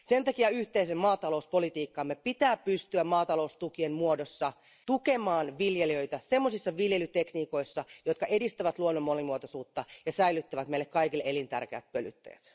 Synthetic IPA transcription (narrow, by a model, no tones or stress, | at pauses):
se̞nt̪ɑkiɑyht̪eisemmɑːt̪ɑlo̞uspo̞lit̪iːkːɑmːepit̪æːppyst̪yæmmɑːt̪ɑlo̞ust̪ukienmuodosːɑ | t̪uke̞mɑːnʋiljeliø̞it̪æsemːosisːɑʋiljelyt̪ekniːko̞isːɑjot̪kɑʔedist̪æʋæt̪luonːomːolimuot̪osuːt̪ːɑjɑsæilyt̪ːæʋæt̪meilːekkɑikilːeelint̪æ̰rkeæ̰t̪̚pøly̰t̪ːḛːt̪